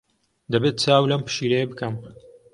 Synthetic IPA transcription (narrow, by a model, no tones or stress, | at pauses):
d̪ɐbet̪̚t͡saːwlɐmpɨ̥ʃiːɾɐjebɨkɐm